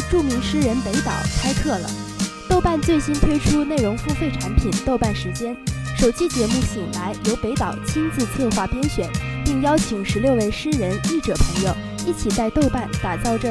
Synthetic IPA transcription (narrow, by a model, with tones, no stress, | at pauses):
ʈ͡ʂu˥˩mi˧˥ŋʂɻ̩˥ɻə˧˥npe˧˥ɪt̪ɑ̰˨˩ʊt͡sʰa˥ɪk̪ʰɤ˥˩lə̰˩ | t̪o˥˧ʊpa˥˧nt͡swe˥˩ɪɕi˥nt̪ʰwe˥ɪʈ͡ʂʰu˥ne˥˩ɪɻʊ˧˥ŋfu˥˧fe˥˩ɪʈ͡ʂʰa˧˥npʰi˨˩nt̪o˥˧ʊpa˥˩nʂɻ̩˧˥t͡ɕjɛ˥nʂo˨˩ʊt͡ɕi˥t͡ɕjɛ˧˥mu˥˩ɕi˨˩ŋla˧˥ɪjo˧˥ʊpe˧˥ɪt̪ɑ˨˩ʊt͡ɕʰi˥ŋt͡sɹ̩˥˧t͡sʰɤ˥˧xwa˥˩pjɛ˥nɕɥɛ˨˩npi˥˩ŋjɑ˥ʊt͡ɕʰi˧˥ŋʂɻ̩˧˥ljo˥˧ʊwe˥˩ɪʂɻ̩˥ɻə˧˥ni˥˩ʈ͡ʂɤ˨˩pʰɤ˧˥ŋjo˧ʊ | i˥˩t͡ɕʰi˨˩t͡sa˥˧ɪt̪o˥˧ʊpa˥˩nt̪a˨˩t͡sɑ˥˩ʊʈ͡ʂə˧˩